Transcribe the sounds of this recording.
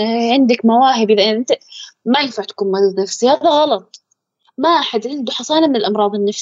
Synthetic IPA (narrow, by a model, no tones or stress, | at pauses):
ʕɪnd̪akmawaːɦɪbʔɪlːaʔɪnːʔɪnt̪amajɪnfaʕt̪ḁkuːnmad̪d̪nafsihaːðaɣɑlɑt̪ˤ | maʔaħad̪ʕɪnd̪ʊħɑsˤɑːlamɪnɪlʔɑmɾˤɑːðˤɪnːaf